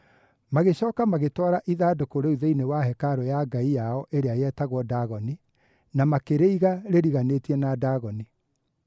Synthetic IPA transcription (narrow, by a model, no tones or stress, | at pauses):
maɣeɕɔːkamaɣetwɔɾaʔiðaːdokoɾeuðeinewaɦɛkaɾɔjaɡaijaɔʔeɾeajɛtaɣwɔdaɣɔni | namakeɾeiɣaɾeɾiɣanetiɛnadaɣɔni